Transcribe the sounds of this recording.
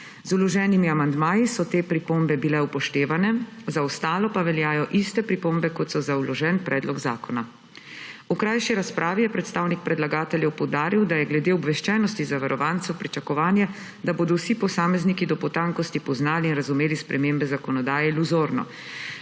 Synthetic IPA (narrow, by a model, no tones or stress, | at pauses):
zulɔʒɛːnimiamand̪maːjisɔt̪eːpɾipombɛbilɛupɔʃt̪eːʋanɛzaɔst̪aːlɔpaʋɛljaːjɔʔist̪ɛpɾipombɛkɔt̪sɔzawlɔʒɛːnpɾʔɛːd̪lɔɡza̰ːkɔna | ukɾaːjʃiɾaspɾʔaːʋijɛpɾɛt̪st̪aːwnik̚pɾɛd̪laɡaːt̪ɛljɛwpɔwd̪aːɾiwd̪ajɛɡlɛd̪eːɔbʋɛʃt͡ʃɛːnɔst̪izaʋaɾɔʋaːnt̪sɛwpɾit͡ʃakɔʋaːnjɛ | d̪aboːd̪ɔwsipɔsaːmɛznikid̪ɔpɔt̪aŋkɔst̪ipɔznaːliːnɾazumeːlispɾʔɛmeːmbɛzakɔnɔd̪aːjɛluzoːɾnɔ̰